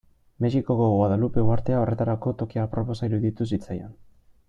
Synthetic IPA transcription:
me̞ʃiko̞ɣoɣoaðalupe̞uaɾt̪e̞ao̞re̞t̪aɾako̞t̪o̞kiapɾopo̞saiɾuðit̪us̬it͡sajan

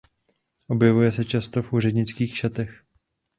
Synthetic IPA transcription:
ʔo̞bjɛvujɛsɛt͡ʃast̪o̞fʔuːrɛd̪ɲɪt͡skiːxʃat̪ɛx

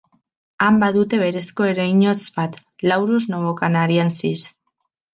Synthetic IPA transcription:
ambaðut̪e̞βe̞ɾe̞sko̞e̞ɾajɲot͡sbat̪ | lawɾuznoβokanaɾiansis

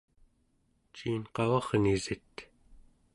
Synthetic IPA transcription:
t͡ʃiːnqɑvɑʁnizit̪

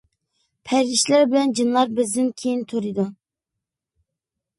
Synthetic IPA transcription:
pʰæɾiʃlæɾbɪlɛnd͡ʒɨnlˠɑɾbɪzd̪ɪnkʲʰejint̪ʰoɾɨd̪u

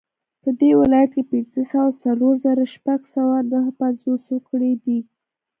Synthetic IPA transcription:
pəd̪ewɪlɑjat̪̚kepɪnzəsawat͡saloɾzaɾaʃpaɡsawanəɦpanzoskɽed̪i

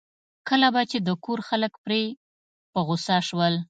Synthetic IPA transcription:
kəlabat͡ʃed̪əkoɾxaləkpɾe | pəɣosɑʃwəl

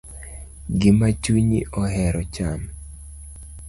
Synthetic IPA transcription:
ɡɪmat͡ʃwiɲiʔɔɦɛɾɔt͡ʃam

